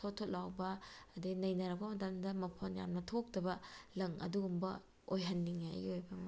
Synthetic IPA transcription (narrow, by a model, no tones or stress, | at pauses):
sʰotʰːot̚lawbɐːdinɐjnɐɾɐk̚pɐmɐtɐmdɐmɐpʰonja̰mnɐtʰok̚dɐbɐlɐŋɐ̰duɡumbɐ | ojɦɐnːiŋa̰ɡiojbɐm